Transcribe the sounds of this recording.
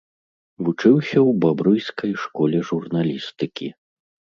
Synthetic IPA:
vut͡ʂɨwsʲɐwbabɾujskʰɐjʂkɔlʲɛʐurnalʲist̪ɨkʲʰi

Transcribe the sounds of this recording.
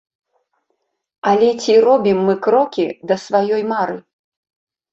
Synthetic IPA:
alʲɛt͡sʲirɔbʲimːɨkɾɔkʲid̪ɐsvajɔjmaɾɨ

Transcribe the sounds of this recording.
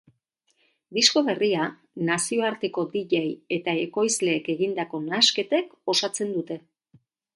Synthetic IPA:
d̪isko̞βe̞ria | nasio̞aɾt̪e̞ko̞d̪iʎeje̞t̪ae̞ko̞jzle̞ːke̞ɣind̪ako̞naske̞t̪e̞ko̞sat͡se̞nd̪ut̪e̞

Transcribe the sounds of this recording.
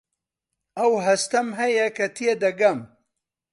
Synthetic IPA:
ɐwɦɐst̪ɐmɦɐjɐkʰɐt̪ʰied̪ɐɡɐm

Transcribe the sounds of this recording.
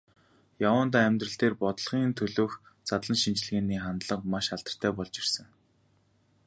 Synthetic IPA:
jawəːnt̪aːæmʲt̪rə̆ɬt̪eːrpɔt̪̆ɮχiːnt̪ʰɵɮoːx | t͡sat̪ɮə̆nʃint͡ɕɮɣeːniːχant̪ɮə̆qmaʃaɮt̪ə̆r̥t̪ʰæːpɔɮt͡ɕi̥rsə̆ŋ

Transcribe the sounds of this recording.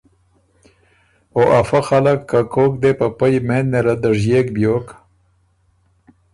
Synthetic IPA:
oʔafaxalakːakokd̪epapəjmenneɾad̪əʐjekbjoːk

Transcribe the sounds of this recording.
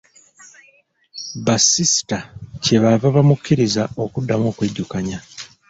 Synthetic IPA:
basisi̥tace̞βavaβamukʰːiɾizao̞kudːamo̞ːkweɟːukaɲa

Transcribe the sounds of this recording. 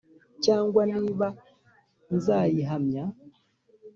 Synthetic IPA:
t͡ʃaŋɡwaniβa | n̩zajiɦamja

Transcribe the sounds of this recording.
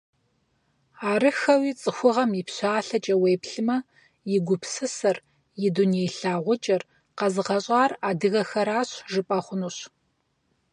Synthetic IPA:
aːrɨxɐwiːt͡sʼɨxʷʊʁɐmjɪpɕaːɬɐt͡ʃʼɐweːjpɬɨmɐ | jɪɡʷʊpʰsɨsɐr | jɪdunejɬaːʁʷʊt͡ʃʼɐr | qɐzɨʁɐɕʼaːraːdɨɣɐxɐɾaːɕʒɨpʼɐχʷʊnuɕ

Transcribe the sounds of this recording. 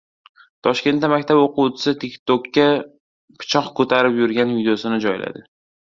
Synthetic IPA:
t̪ʰɒʃkʲe̞nt̪d̪ːamakʲt̪ʰaboqut͡ʃʰɪ̥sɪt̪ʰɪkʲt̪okʲːa | pʰɪ̥t͡ʃʰɒqkʰɵt̪ʰaɾɪpjʊɾɡʲanvid̪ejosɪnɪd͡ʒɒjla̰d̪ɪ

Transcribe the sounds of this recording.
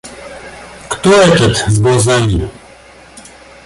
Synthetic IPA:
kt̪ɔɛt͡ʃɛt̪zbɔzɛɲʲi

